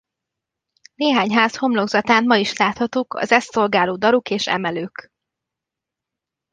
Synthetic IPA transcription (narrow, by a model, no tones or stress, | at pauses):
neːɦaːɲɦaːsho̞mlo̞ɡzɒt̪aːnmɒiʃlaːt̪hɒt̪ukʰɒ̰zɛstso̞lɡaːloːd̪ɒɾukeːʃɛ̰mɛløːk